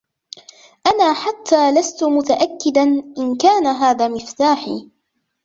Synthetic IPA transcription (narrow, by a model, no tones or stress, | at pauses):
ʔanaːħat̪ʰːaːlast̪ʊmʊt̪aʔakːɪd̪anʔɪnkaːnaɦaːðaːmɪft̪aːħḭː